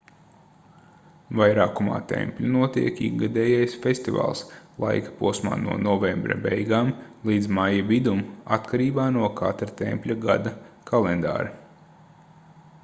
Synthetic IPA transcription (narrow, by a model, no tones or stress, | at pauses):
vajɾaːkuma̰ːt̪ɛ̰mpʲlʲunuɔt̪ḭɛkiɡad̪ɛːjajsfest̪iva̰ːlˠslˠa̰jkḁpuɔsma̰ːnuɔnɔvembɾɐ̰bɛjɡaːmlˠiːd̪zmajavid̪umat̪kʰaɾiːbaːnuɔkʰa̰t̪ɾat̪ḛmpʲlʲaɡa̰d̪ɐkʰalˠend̪a̰ːɾi